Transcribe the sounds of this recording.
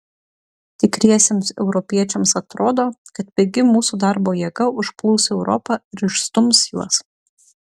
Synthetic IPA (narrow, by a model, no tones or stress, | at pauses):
t̪ʲɪkɾʲiɛsʲeːmsɛʊɾɔpʲiɛt͡ʃʲɛmsɐt̪ɾoːd̪oːkɐt̪̚bʲɛɡʲɪmuːsuːd̪ɑˑɾboːjiɛɡɐʊʃplˠʊːsɛʊɾʔɔ̰pɑɪɾɪʃst̪ʊmsjuɔs